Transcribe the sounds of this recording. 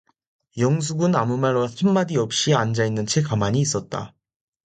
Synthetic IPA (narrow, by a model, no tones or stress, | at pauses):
jʌŋs̬ʰuɡɯnamumaɭwasʰemːadiʌp̚ɕ͈iand͡ʑainːɯnt͡ɕʰekamaɲiːs͈ʌt̚t͈a̰